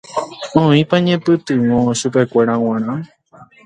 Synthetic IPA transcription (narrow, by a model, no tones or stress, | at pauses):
õĩpaɲẽpɨt̪ɨ̃wõʃupe̞kʷe̞ɾaw̃ãɾ̃ã